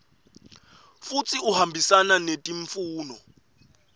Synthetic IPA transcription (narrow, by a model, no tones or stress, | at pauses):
fut͡sʰʼiuɦambʱisananetʼiɱfuːnɔ